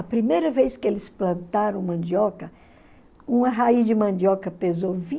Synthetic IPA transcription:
ɐpɾimejɾɐvejskɪelɪsplɐ̃nt̪aɾɐ̃w̃mɐ̃nd͡ʒɔkɐ | ũmɐɦaizd͡ʒɪmɐ̃nd͡ʒiɔkɐpezowvĩ

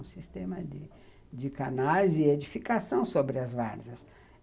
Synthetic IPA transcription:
ũsist̪ẽmɐd͡ʒɪ | d͡ʒɪkanajzɪed͡ʒifikasɐ̃w̃sobɾɪɐzvaɾzɐs

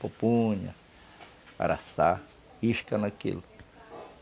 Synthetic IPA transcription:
popuɲa̰ | a̰ɾasa | iʃkanãkḭl

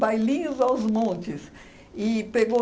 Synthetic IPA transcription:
bajlĩɲʊzawzmõnt͡ʃɪs | ɪpeɡo

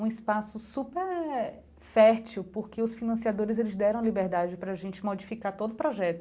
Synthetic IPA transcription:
ũɪspasʊsupeɾ | fɛɾt͡ʃiwpoɾkeʊsfinɐ̃siad̪oɾɪzelɪzd̪ɛɾɐ̃w̃libeɾd̪ad͡ʒɪpɾɐaːʒẽnt͡ʃɪmod͡ʒifikat̪od̪ʊpɾɔʒɛt̪ʊ

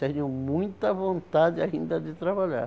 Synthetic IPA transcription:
t̪eɲʊmũj̃t̪ɐvõnt̪ad̪ɪaĩnd̪ɐd̪ɪt̪ɾaβaʎa̰ɾ

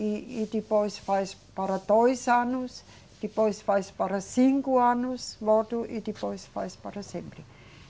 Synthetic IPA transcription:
iit̪ipoisfɑispɑɾɑt̪oisɑnus | it̪ipoisfɑispɑɾɑsiŋkuɑnusʋot̪uʔit̪ipoisfɑ̰ispɑrɑsembri

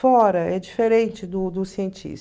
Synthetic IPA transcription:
ɔɾɐɛd͡ʒifeɾẽnt͡ʃɪd̪ʊd̪ʊsiẽnt͡ʃḭs

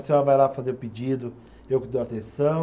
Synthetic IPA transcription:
saɐvajlafazeɾʊpid͡ʒid̪ʊ | ewkɪd̪oat̪ẽsɐ̃w̃

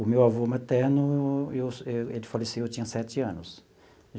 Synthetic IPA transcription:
ʊmewavomat̪ɛɾnʊeweelɪfalesiewt͡ʃĩɲɐsɛt͡ʃɪɐ̃nʊs | ʒ

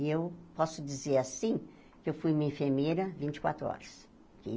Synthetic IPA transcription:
ewpɔsʊd͡ʒizeɾasĩ | kɪewfujmĩẽfeɾmejɾɐvĩnt͡ʃɪ̥kwa̰t̪ɾʊɔ̰ɾɐs | kɪ

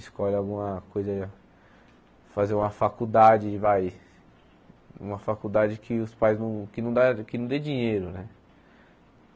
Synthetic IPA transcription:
ɪskɔʎawɡũmɐkojzɐ | fazeɾũmɐfakud̪ad͡ʒɪvaj | ṵ̃mɐfakud̪ad͡ʒɪkʰɪʊspajznɐ̃w̃kɪnɐ̃w̃d̪akɪnɐ̃d̪ed͡ʒĩɲejɾʊnɛ

